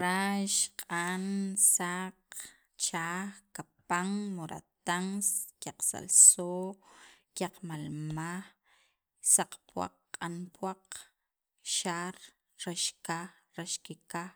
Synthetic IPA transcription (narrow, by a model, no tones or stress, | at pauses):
ɾaʃqʼansaq | t͡ʃaːxkapaŋmoɾʔa̰t̪aŋskjaqsa̰lso | kʲjaqmalmax | saq͡χpwa̰qːqʼːanpwaq | ʃaːɾ | ɾaʃkax | ɾaʃkikax